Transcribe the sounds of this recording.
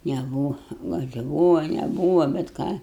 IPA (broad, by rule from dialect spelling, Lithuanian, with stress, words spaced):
nʲɛˈbuːʋɐ ɡɐlʲ ɪ ˈbuːʋɐ nʲɛˈbuːʋɐ bʲɛt ˈkɑː